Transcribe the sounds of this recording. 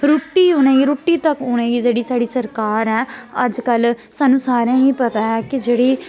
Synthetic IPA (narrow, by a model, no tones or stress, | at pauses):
ɾʊːʈːiːʊneːiːɾʊːʈːiːt̪əkʊnẽːiːd͡ʒeːɽiːsaːɽiːsəɾkaːɾɛːəd͡ʒkəlsaːnũːsaːɾãːiːpət̪aːɦɛːkɪd͡ʒeːɽiː